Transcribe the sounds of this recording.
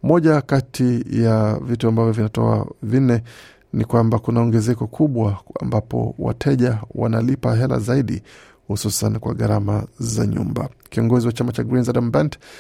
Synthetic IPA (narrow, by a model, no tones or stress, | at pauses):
mɔʄakatʰijavituambavjɔvinatɔ̰a̰vinɛ | nikwambakunaɔŋɡɛzɛkɔkʰuɓwaambapɔ̰wa̰tʰɛʄawa̰nalipaɦɛla̰zaiɗḭ | hususankwaɠaɾamaza̰ɲṵmba̰kiɔŋɡɔziwat͡ʃamat͡ʃaɡɾinzadambɛnt